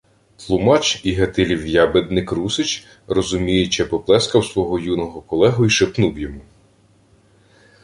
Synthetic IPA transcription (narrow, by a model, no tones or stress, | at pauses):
t̪lˠʊmɑt͡ʃiɦɐt̪ɪlʲiwjɑbed̪̚nɪkɾusɪt͡ʃ | rɔzʊmʲijet͡ʃɛpɔplˠɛskɐwsʋɔɦɔjunɔɦɔkɔlˠɛɦʊiʃepnuwjɔmu